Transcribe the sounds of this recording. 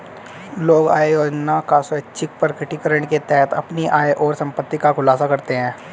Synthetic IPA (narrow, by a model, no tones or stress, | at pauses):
loːɡa̰ːejoːd͡ʒnakasət͡ʃʰɪk̚pəɾkɪʈikəɾəɳ̃ket̪ɛɦɛt̪ʰɐpniʔaːeʔɔːɾsɐ̃mpət̪ːikakʰʊlaːsakɐɾt̪eɦɛ̃ː